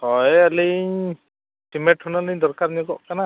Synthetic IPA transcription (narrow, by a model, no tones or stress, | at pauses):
tɔjalɯɲ | ʈimɛʈhunalɯɲd̪ɔɾkaɾɲɛɡɔʔkana